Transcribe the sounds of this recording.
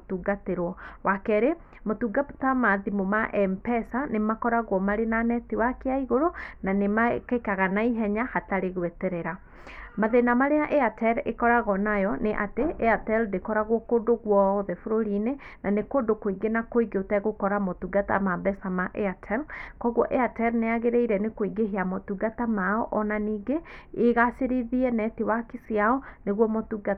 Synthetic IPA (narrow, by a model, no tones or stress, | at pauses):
tuːɡateɾwɔwakɛɾe | motuɡatamaðimomaʔɛmpɛsanemakɔɾaɣwɔmaɾenanɛtiwakeaiɣoɾonanemakekaɣanaiɦɛɲahataɾeɣwetɛɾɛɾa | maðenamaɾeaʔɛatɛɾḛkɔɾaɣɔnajɔneʔateʔɛatɛldekɔɾaɣokoːdoɣwɔðɛfoɾoɾine | nanekoːdokoiɡenakoiɡeotɛɣokɔɾamotuɡata̰mabɛsamaʔɛatʰɛlkɔɣwɔʔɛatɛɾneaɣeɾeiɾɛnekoiɡeɦeamotuɡatamaɔʔɔnaniːɡeːɣaseɾiðiɛnɛtewakisiaɔneɣwɔmotuɡa